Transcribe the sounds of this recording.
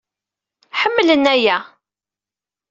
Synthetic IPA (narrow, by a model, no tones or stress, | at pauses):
ħəmːlənæjæ